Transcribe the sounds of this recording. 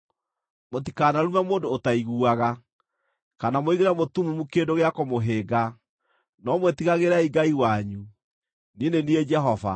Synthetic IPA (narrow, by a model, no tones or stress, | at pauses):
mot̬ikaːnaɾumamoːndoːtaiɣuaɣa | kanamoiɣeɾamotumumukendoɣeakomoɦeːɡa | nɔmwetiɣaɣeɾaiɡaiwaɲu | ninenied͡ʒɛɦɔva̰